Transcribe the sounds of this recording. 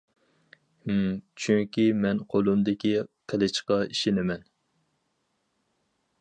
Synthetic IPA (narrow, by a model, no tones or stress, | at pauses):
t͡ʃʰyŋkʲimɛnqʰolˠumd̪ɪkʲiqʰəlɪt͡ʃqɑiʃɪnɪmɛn